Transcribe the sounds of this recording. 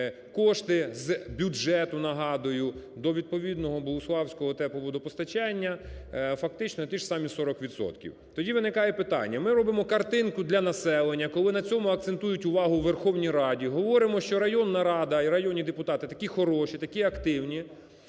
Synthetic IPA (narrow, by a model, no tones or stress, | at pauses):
kɔʃt̪ɪzbʲud͡ʒɛt̪ʊnɐɦɑd̪ʊjʊd̪ɔʋʲid̪̚pɔʋʲid̪nɔɦɔbɔlˠʊslˠɑwsʲkɔɦɔt̪ɛpɔʋɔd̪ɔpɔst̪ɐt͡ʃɛnʲːɐfɐk̚t̪ɪt͡ʃnɔt̪iʃsɑmʲisɔɾɔkʋʲit̪sɔ̰t̪kʲḭwt̪ɔdʲiʋɪnɪkɑjɛpɪt̪ɑ̰nʲːɐmɪɾɔbɪmɔkɐrt̪ɪnkʊd̪lʲɐnɐsɛlˠenʲːɐkɔlˠɪnɐt͡sʲɔmʊɐk̚t̪sent̪ujʊtʲʊʋɑɦʊwʋerxɔwnʲijɾɑdʲiɦɔʋɔɾɪmɔʃt͡ʃɔɾɐjɔnːɐɾɑd̪ɐiɾɐjɔnʲid̪epʊt̪ɑt̪ɪt̪ɐ̥kʲixɔɾɔʃit̪ɐkʲiɐkt̪ɪwnʲi